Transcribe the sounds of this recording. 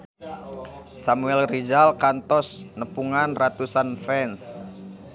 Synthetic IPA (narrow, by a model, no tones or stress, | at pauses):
samuɛlrid͡ʒalkant̪ɔsnəpuŋanrat̪usanfɛns